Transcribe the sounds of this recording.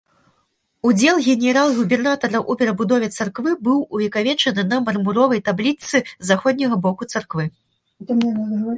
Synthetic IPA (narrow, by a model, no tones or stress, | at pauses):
ud͡zʲɛlˠɣʲɛnʲɛɾalˠɣubʲɛrnat̪ɐɾɐʔupʲɛɾɐbud̪ɔvʲɛt̪sarkvɨbɨwuvʲɛkavʲɛt͡ʂɐnɨnɐmɐrmuɾɔvɐjt̪ablʲit̪sɨzaxɔd̪ʲnʲɐɣɐbɔkut̪sarkvɨ | t̪ɐmɛn